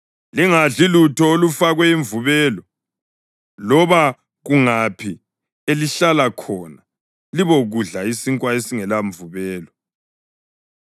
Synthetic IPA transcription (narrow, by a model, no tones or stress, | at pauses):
liŋaɮilutʰɔolufaɣwɛiɱvuβɛːlɔ | lɔβa | ɣuŋapʰi | eliɬalakʰɔna | liβoɣuɮaisiŋkʼwaesiŋɛlaɱvuβɛːlɔ